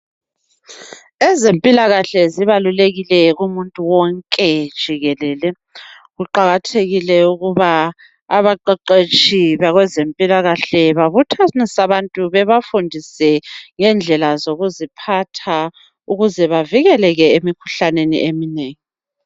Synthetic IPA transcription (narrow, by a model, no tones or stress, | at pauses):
ɛzempʼilaɣaɬɛziβaluleɣilɛɣumuntʼuwɔŋkʼɛd̥ʒ̥ʱiɣɛlɛːlɛ | ɣuǃaɣatʰeɣilɛuɣuβa | aβaǃɛǃet͡ʃʼiβaɣwɛzempʼilaɣaɬɛβaβutʰanisaβantʼuβɛβafundʱisɛŋɛnd͡ɮʱɛlazoɣuzipʰatʰa | uɣuzɛβaviɣɛlɛɣɛemikʰu̥ɬanenḭʔemineːŋi